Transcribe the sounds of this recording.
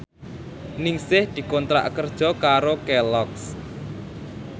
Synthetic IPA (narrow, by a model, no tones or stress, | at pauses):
nɪŋsɪhd̪̥i̤kɔnt̪ɾa̰ʔkərd̥ʒ̥ɔ̤kaɾokɛlɔks